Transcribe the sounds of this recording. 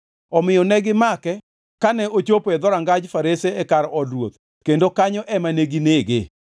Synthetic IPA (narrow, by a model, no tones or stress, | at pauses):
ɔmɪjɔnɛɡɪmakɛ | kanɛʔot͡ʃopɛd̪ɔɾaŋɡad͡ʒfaɾeseɛkaɾɔdɾwot̪̚ | kendokaɲɔʔɛmaneɡineɡɪ̰